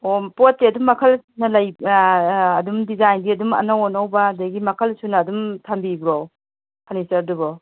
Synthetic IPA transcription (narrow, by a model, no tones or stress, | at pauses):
opot̚ːeɐdumːɐkʰɐlsunɐlajː | dumdizajndiɐdumɐ̰nawɔnawbaːdɐɡimɐkʰɐlsunɐːdumtʰambibɾow | kʰanisɐɾdubɔ